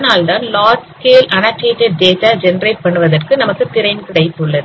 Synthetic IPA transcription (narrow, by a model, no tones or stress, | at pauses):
naːlt̪aːnlaːʈskeːlʔɐnɐʈːeːʈːɛɖ̚d̪eːsad͡ʒɛnɾeːʈ̚pɐɳːɯʋɐðɐrkɯnɐmɐkːɯt̪ɪɾɐɪnkɪɽɐɪt̪ːɯɭːɐðɯ